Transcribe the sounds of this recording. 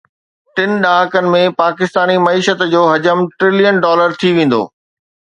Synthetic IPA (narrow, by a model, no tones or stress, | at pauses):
ʈɪn̆ɗaːɦəkənɪ̆mẽpaːkɪst̪aːnimɐiːʃət̪d͡ʑoːɦɐd͡ʑəmʈɾɪlijənɖɔːləɾt̪ʰiʋẽːn̆d̪o̰ː